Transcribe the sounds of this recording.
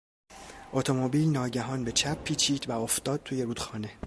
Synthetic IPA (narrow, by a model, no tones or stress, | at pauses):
ʔot̪ʰo̞mobiːlnɒːɟæɦɒːnbe̞t͡ʃʰæpʰːiːt͡ʃʰiːd̪̥væoft̪ɒːd̪̥̚t̪ʰuːje̞ɾuːd̪xɒːne̞